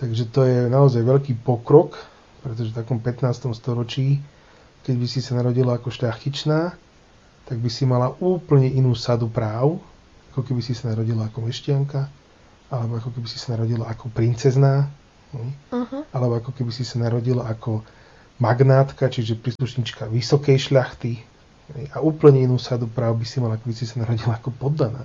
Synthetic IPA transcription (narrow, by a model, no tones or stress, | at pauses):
t̪aɡʒɛt̪ɔjɛnaɔzajʋɛʎkiːpɔkɾɔk | pɾɛt̪̬ɔʒɛft̪akɔmpɛt̪naːst̪ɔmst̪ɔɾɔt͡ʃiː | kɛɟbisisanaɾɔɟilaakɔʃʎaxcit͡ʃnaː | t̪aɡ̚bisimalaʔuːpl̩ɲɛʔinuːsad̪upɾaːʊ | akɔkɛbisisanaɾɔɟilaakɔmɛʃcɪaŋka | alɛbɔakɔkɛbisi̥sanaɾɔɟilaakɔpɾint͡sɛznaː | hɛjalɛbɔakɔkɛbisisanaɾɔɟilaʔakɔ | maɡnaːt̪kat͡ʃiʒɛpɾiːsluʃɲiːt͡ʃkaʋisɔkɛjʃʎaxt̪i | ɦɛ̰jauːpl̩ɲɛinuːsad̪upɾaːʊbisimalaakɛbisisanaɾɔɟilaakɔpɔd̪ːana̰ː